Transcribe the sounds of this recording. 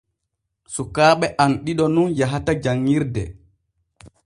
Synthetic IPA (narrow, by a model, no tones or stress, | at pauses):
sukaːɓɛʔanɗiɗɔnunjaɦatad͡ʒaŋːiɾdɛ̰